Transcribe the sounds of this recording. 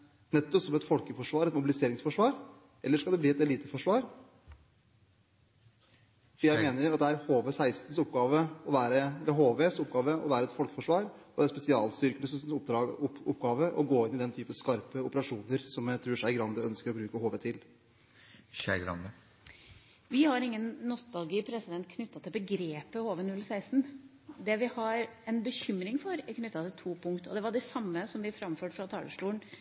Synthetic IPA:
nɛt̪ːɔpsɔmɛt̪fɔlkəfɔʂʋɑːɾɛt̪mʊbɪlɪseːɾɪŋsfɔʂʋɑːɾ | ʔɛlːəʂkɑld̪ɛbliːɛt̪ɛliːt̪əfɔʂʋɑːɾ | fjæɪmeːnəɾɑt̪̚d̪ɛæɾhoːʋesæɪst̪n̩sʊpɡɑːʋəɔʋæːɾəɛlːəɾɦoːʋesʊp̚ɡɑːʋəɔ̰ʋæːɾəɛt̪fɔlkəfɔʂʋɑːɾ | d̪ɛæɾspɛsɪɑːlst̪ʏɾkənəsʊpd̪ɑʊʊpːɡɑːʋəʔɔɡoːɪnɪd̪ɛnt̪ʰyːpəskɑɾpəʊpəɾɑʂuːnəɾsɔmt̪ʰɾʉːʂæɪɡɾɑnd̪əœnskəɾɔbɾʉːkəhoːʋət̪ʰɪl | æ̰ɡɾɑ̰nd̪ə | ʋɪhɑɾɪŋːənːʊst̪ɑlɡɪpʰɾɛsɪd̪ɛnt̪kʰnʏt̪ːɑt̪ʰɪlbəɡɾeːpəhoːʋənʉlːsæɪst̪n̩ | d̪ɛʋɪhɑɾɛnbəçʏmɾɪŋfɔɾɪkʰnʏt̪ːɑt̪ʰɪlt̪ʰuːpʰʊŋkt̪ɔ̰d̪ɛʋɑɖɛsɑmːəsɔmʋɪfɾɑmføːʈfɾɑt̪ʰɑːləʂʈuːəɳ

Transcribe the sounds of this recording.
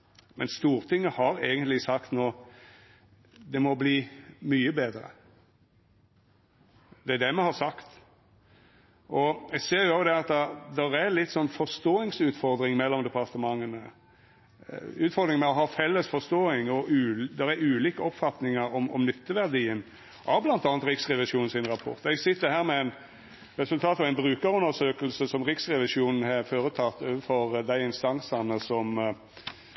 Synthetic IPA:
mɛnst̪uːɾt̪ʰɪŋːəhɑɾeːɡənt̪lɪsɑkt̪noː | d̪ɛmɔbliːmyːəbeːd̪ɾə̰ | d̪ɛæd̪ɛmɛhɑsɑkt̪ | ʔɔɛɡseːɾjʊɑːd̪ɛɾɑt̪̚d̪ɛd̪ɛɾælɪt̪ːsɔnːfɔst̪oːɪŋsʉːt̪fɔɾd̪ɾɪŋmɛlːɔmd̪ɛpɑɾt̪əmɑŋːənə | ʉːt̪fɔɾd̪ɾɪŋmɛɔɦɑfɛlːəsfɔst̪oːɪŋɔʔʉːd̪ɛɾæɾʉːliːkəɔpfɑt̪nɪŋəɾɔmɔ̰mnʏt̪ːəʋæɾd̪iːən | ʔɑʋblɑnt̪ɑːnt̪ɾɪksʁɛʋɪʂuːn̩sɪnɾɑpʰɔ̰ɾt̪ɛɡsɪt̪ːəɾhæːɾmɛæɪn | ɾɛsʉlt̪ʰɑːt̪ɑʋæɪnbɾʉːkəɾʉnd̪əsøːkəlsəsɔmɾɪksɾɛʋɪʂuːnn̩ɦɑɾføːɾət̪ʰɑt̪ːoːʋəfɔɾd̪æɪɪnst̪ɑnsɑnəsɔm

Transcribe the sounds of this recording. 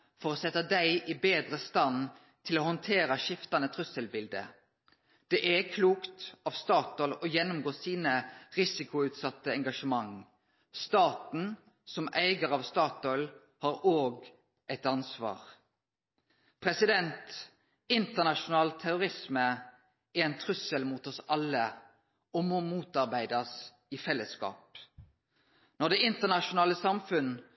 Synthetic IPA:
fɔʁoːsɛt̪ːəd̪æɪʔɪbeːd̪ʁəst̪ɑn | t̪ʰɪloːhɔnt̪ʰeːɾɑʃɪft̪ɑnət̪ʰʁʉsəlbɪld̪ə̰ | d̪̥ɛʔækʰluːkt̪ɑʋst̪ɑːt̪ɔlɔjɛnːʊmɡoːsiːnəʁɪsɪkʊʉːt̪sɑt̪ːəɛŋɡɑʂəmɑŋ | st̪ɑːt̪n̩ | sɔmʔæɪɡəʁɑʋst̪ɑːt̪ɔʏl | hɑːɾoːɡ | ʔæɪt̪ɑnsʋɑ̰ːʁ | pʰʁɛsɪd̪ɛnt̪ | ɪnt̪əʁnɑʃʊnɑːlt̪ʰæɾʊʁɪsmə | ɛɛɪnt̪ʰʁʉsəlmuːt̪ɔsɑlːə | ɔmomuːt̪ɑʁbæɪd̪ɑs | ɪfɛlːəskɑ̰ːp̚ | nɔʁd̪ɛɪnt̪əʁnɑʃʊnɑːləsɑmfʉn

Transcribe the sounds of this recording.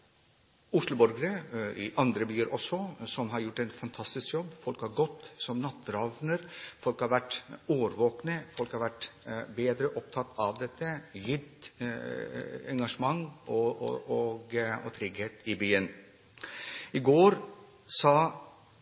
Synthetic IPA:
ʊʂlʊbɔɾɡəɾəɪ̰ʔɑnd̪ɾəbyːəɾʔɔsːɔsɔmɦɑɾjʊʈːɛnfɑnt̪ʰɑst̪ɪskjɔbːfɔlkhɑɾɡɔt̪ːsɔmnɑt̪ːɾɑʋnəɾfɔlkhɑɾʋæʈːoʋəɾʋoːknəfɔlkhɑɾʋæʈːbeːd̪ɾəʔɔp̚t̪ʰɑt̪ʰːɑʋd̪ɛt̪ːəjʏd̪ | ɛŋɡɑʂəmɑŋːɔɔɡɔt̪ʰɾɪɡheːt̪ɪbyːən | ɪɡoːɾ | sɑ

